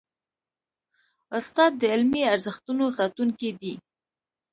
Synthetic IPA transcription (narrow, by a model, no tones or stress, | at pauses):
ʊst̪ɑd̪ːəɪlmiaɾzəxt̪unosɑt̪uŋkid̪i